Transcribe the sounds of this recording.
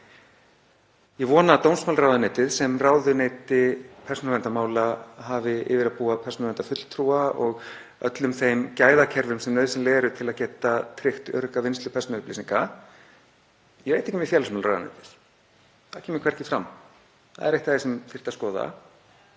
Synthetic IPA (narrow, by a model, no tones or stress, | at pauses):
jɛvɔːnat̪ownsmawlrawðaneːt̪ɪðsɛmraːwðʏneːt̪ɪpʰɛr̥sɔnavɛnt̪amaːwlaɦavɪʔɪ̰ːvɪɾaðpuːapʰɛrsɔnavɛnt̪afʏt̪l̥t̪ʰɾuːaɔɣ | œt̪lʏmθejmcaːjðacʰɛɾvʏmsɛmnœðsɪmleːɾʏt̪ʰɪlaðcɛːt̪at̪ʰɾɪxt̪œɾkavɪnst̪lʏpʰɛrsɔnʏpliːsiŋka | jɛvejt̪ehcːmjɛfjɛlasmawlra̰wða̰nḛːt̪ɪ̥ð̥ | θaðcʰɛːmɪkʰvɛɾ̥cɪfɾa̰m | θa̰ðɛ̰ɾeht̪aðesɛmfɪr̥t̪askɔːða̰